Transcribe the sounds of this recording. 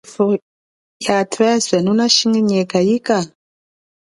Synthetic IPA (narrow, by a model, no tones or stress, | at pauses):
fo | jatʰɾɛzʷɛnunaʃiŋiɲɛkajika